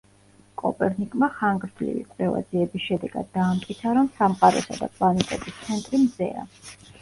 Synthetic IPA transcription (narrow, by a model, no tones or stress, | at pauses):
kʼɔ̰pʼɛɾnikʼmaχaŋɡɾd̪ʰlḭvḭkʼwɾɛva̰d̪ziɛbisʃɛd̪ɛɡa̰d̪ːaːmt̪ʼkʼit̪sʰaɾɔmsamqʼaɾɔ̰sa̰d̪a̰kʼlˠanit̪ʼɛt̪ʼist̪sʰɛnt̪ʼɾimzɛ̰a̰